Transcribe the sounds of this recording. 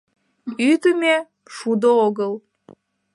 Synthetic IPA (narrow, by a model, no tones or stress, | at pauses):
yt̪əme | ʃud̪ooɣəl